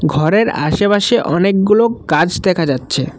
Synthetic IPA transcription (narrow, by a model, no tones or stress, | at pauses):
ɡʱɔɾeɾaʃebaʃeʔɔnekɡulokad͡ʑd̪ɛkʰad͡ʑatːɕʰe